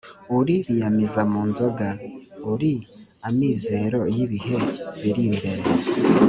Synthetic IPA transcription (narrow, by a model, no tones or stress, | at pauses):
uɾiβijamizamuːnzoɡauɾiamiːze̞ɾo̞jiβiɦe̞βiɾiːmbe̞ɾe